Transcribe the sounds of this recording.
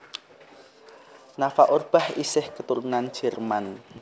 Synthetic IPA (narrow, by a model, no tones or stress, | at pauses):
nafaʔorb̥a̤hisɪhkət̪uɾunan̥ʒ̥ɛ̤rman